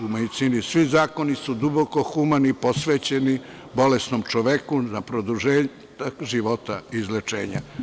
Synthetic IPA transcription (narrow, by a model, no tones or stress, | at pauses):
umed̪it̪siːnisʋizaːko̞nisud̪uboko̞xumaniposʋet͡ɕeni | bo̞lesnomt͡ʃoʋekunapɾod̪uʒeː | t̪aʒiʋo̞t̪a̰izlet͡ʃḛːɲa̰